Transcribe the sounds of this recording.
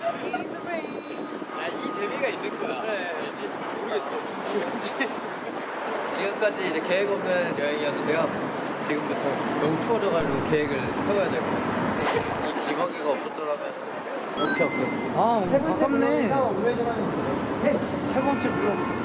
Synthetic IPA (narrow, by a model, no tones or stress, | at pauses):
idɯbe | ait͡ɕe̞miɡainːɯnɡʌjane | ed͡ʑi | uɾies͈ɕid͡ʑid͡ʑi | t͡ɕiɡɯmk͈ad͡ʑiːd͡ʑe̞ke̞ɦeɡʌmnʌnɯnjʌɦeŋiʌnːɯnde̞jo | t͡ɕiɡɯmbutʰʌjoŋt͡ɕʰuʌd͡ʑʌɣad͡ʑuɡoke̞ɦeɡɯɭt͡ɕʰeɡʌjadwe̞ɭɡokɯdeiimaŋiɡaʌp̚s͈ʌt̚t͈ʌɾamjʌn | okʰeokʰe | asʰeɡʌt͡ɕʰamneaoed͡ʑʌnaniɡod͡ʑoesʰeɡʌnt͡ɕʰekt͈oŋ